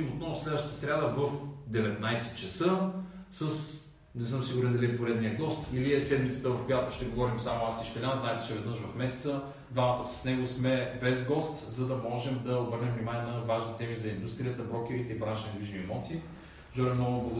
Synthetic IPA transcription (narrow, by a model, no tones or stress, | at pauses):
mot̪nɔvʊslɛd̪vəʃt̪t̪ə̥sɾʲjad̪əvəfd̪ɛvɛt̪najsɛt̪t͡ʃəsɤsəs | nɛsɤmsiɡʊɾɛnd̪ɐlipoɾɛd̪nijəɡɔst̪iliɛsɛd̪mit̪sə̥t̪əvɐfkojat̪ʊʃt̪ɛɡovɔɾimsamʊasiʃt̪ɛlʲanznaɛt̪ɛt͡ʃɛvɛd̪nɤʃvɐfmɛsɛ̥t̪sə | d̪vamɐt̪əsɐ̥snɛɡosmɛbɛzɡɔst̪zɐd̪ɐmɔʒɛmd̪ɐobɤɾnɛmvnimanʲiɛnɐvaʒnit̪ɛmizɐind̪ust̪ɾijət̪əbɾɔk̟ɛɾit̪ɛibɾanʃnɡ̪liʒniɛmɔt̪i | ʒɔɾɛmnɔɡʊblˠ